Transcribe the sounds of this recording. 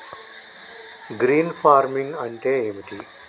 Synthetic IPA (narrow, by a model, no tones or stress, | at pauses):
ɡɾiːnfaːɾmiŋɡɐɳʈeːemiʈiː